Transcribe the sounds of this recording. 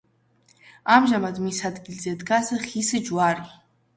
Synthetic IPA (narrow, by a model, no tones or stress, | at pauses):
amʒamad̪misad̪ɡʲilzɛd̪ɡasɨχisɨd͡ʒwaɾi